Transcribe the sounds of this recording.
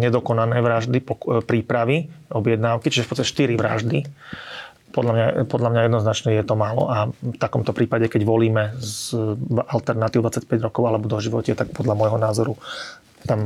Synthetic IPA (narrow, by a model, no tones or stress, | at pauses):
ɲɛd̪ɔkɔnanɛjʋɾaʒd̪ipɔpɾiːpɾaʋiɔbjɛd̪naːʊkit͡ʃiʒɛfpɔt͡sst̪acɛ̥ʃt̪iɾiʋɾa̰ʒd̪i | pɔd̪ʎamɲapɔd̪ʎamɲajɛd̪nɔznat͡ʃnɛjɛt̪ɔmaːlɔ̰ʔaft̪akɔmt̪ɔpɾiːpaɟɛkɛɟʋɔliːmɛz | alt̪ɛɾnat̪iːʊd̪ʋat͡sac̚pɛɟɾɔkɔʊalɛbɔd̪ɔʒiʋɔ̰cɪɛt̪ak̚pɔd̪lamɔjɦɔnaːzɔɾu | t̪am